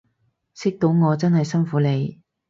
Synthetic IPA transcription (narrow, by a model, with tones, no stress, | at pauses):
sɪ˥k̚t̪o˨˥wŋɔː˨˧t͡sɐ˥nhɐ˨jsɐ˥nfuː˨˥le˨˧j